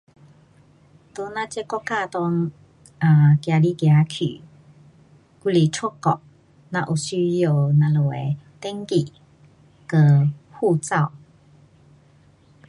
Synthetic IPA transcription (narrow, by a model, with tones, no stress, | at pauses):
t̪o˧˦nã˧t͡ɕɛ˦˨kɔ˦˥ka˥˧t̪ɔ˧ŋ | a˨kja˨˧li˦kja˨˧˦kʰy̰˨ | ku˧˦li˨t͡sʰu˥˦kɔ˨˩ʔ | nã˧ʔu˨˩ɕy˧˦jo˧˨nã˧lo˨˩e˨t̪e˦ŋki˨ | kə˧˩hu˥˧˨t͡sa˥˧˨w